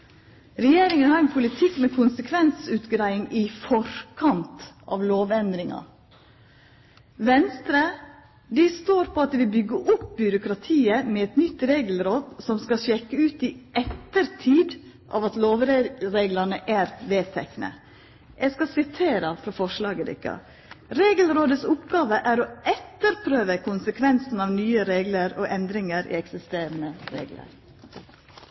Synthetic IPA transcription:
ɾɛjeːɾɪŋənhɑɾɛnpʰʊlɪt̪ʰɪkːmɛkʰʊnsəkʰʋɛnsʉːt̪ɡɾæɪɪŋɪfɔɾkʰɑnt̪ɑ̰ːʋloːʋɛnd̪ɾɪŋɑ̰ | ʋɛnst̪ɾə | d̪ɪst̪oːɾpʰɔɑt̪̚d̪ɛʋɪlbʏɡːəʔʊp̚bʏɾʊkɾɑt̪ʰiːəmɛɛt̪nʏt̪ːɾeːɡl̩ɾɔt̪sɔmskɑʃɛkːəʉːt̪ɪʔɛt̪ːəɾt̪ʰiːd̪ | ʔɑ̰ːʋɑt̪loːʋɾɾeːɡlɑnəʔæːɾʋeːt̪ʰɛknə̰ | jʔæɪskɑsɪt̪ʰeːɾəfɾɑfɔʂlɑːɡəd̪ɪ̰kːə̰ | ɾeːɡəlɾoːd̪əsʊpɡɑːʋəʔæɾɔɛt̪ːəɾpʰɾøːʋəkʰʊnsəkʰʋɛnsn̩ɑʋnyːəɾeːɡləɾɔʔɛnd̪ɾɪŋəɾɪ̰ɛksɪst̪eːɾənəɾḛːɡlə̰ɾ

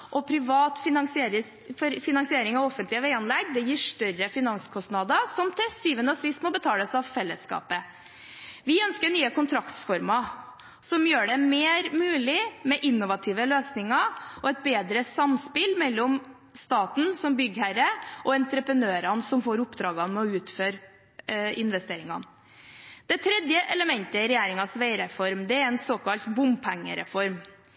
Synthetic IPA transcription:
ʔɔpʰɾɪʋɑːt̪fɪnɑŋsɪeɾə | fɾfɪnɑŋsɪeːɾɪŋɑʋɔfːənt̪lɪəʋæɪɑnlɛɡːd̪ɛjiːʂʈœɾəfɪnɑŋskʰɔst̪nɑd̪əsɔmt̪ʰɪsyːʋənəsɪst̪mɔbət̪ʰɑːləsɑʋfɛlːə̰skɑ̰ːpə | ʋɪœnskəɳyːəkʰʊnt̪ʰɾɑkt̪sfɔɾmɑ | sɔmjøːɖɛmeːɾmʉːlɪmɛʔɪnːʊʋɑt̪ʰɪʋəløːsnɪŋɑɔɛt̪̚beːd̪ɾəsɑmspɪlmɛlːɔm | st̪ɑːt̪n̩sɔmbʏɡhæɾəʔɔɛnt̪ɾəpɾənøːɾɑnsɔmfoːɾʊpd̪ɾɑːɡɑnmɛɔʉːt̪føːɾ | ɪnʋɛst̪eːɾɪŋɑ̰n | d̪̥ɛt̪ʰɾɛd̪jəʔɛləmɛnt̪əɾɛjæːɾɪŋɑsʋeɪɾɛfɔɾmd̪ɛæɾɛnsoːkʰɑlt̪bʊmpʰɛŋːə̰ɾɛ̰fɔɾm

